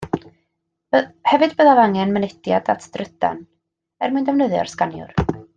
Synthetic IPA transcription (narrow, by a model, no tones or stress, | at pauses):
hɛvɨdbəðavaŋɛnmənɛdjadatʰd̥rəda̰n | ɛrmajndɛwnəðjɔ̰rskanjʊ̰r